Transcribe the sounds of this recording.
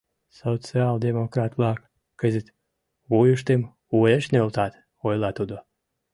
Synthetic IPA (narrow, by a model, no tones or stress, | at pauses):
sot̪t͡sɨald̪emokrɑt̪lˠɑkː | əzʲit̪ | βujuʃt̪em | ueʃnølˠt̪ɑt̪ | ojlˠɑt̪ud̪o